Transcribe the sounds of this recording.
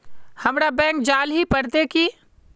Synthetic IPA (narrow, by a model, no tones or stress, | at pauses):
hɐmɾabɛ̃ːŋk̚d͡ʒaːlɦipəɽt̪eki